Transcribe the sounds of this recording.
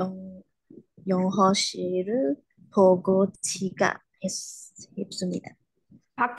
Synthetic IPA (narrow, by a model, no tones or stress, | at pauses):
ŋ | jɔŋɦɔɕiɾɯ | pʰoɡot͡ɕʰiɡa̰ | hesheps͈ɯmɲḭd̪a | pak̚t